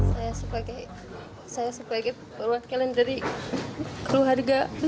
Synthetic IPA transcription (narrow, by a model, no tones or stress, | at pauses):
sajasəpaɡaj | sajasəpaɡa | ərwakilɪndaɾi | kəɾuɦarɡab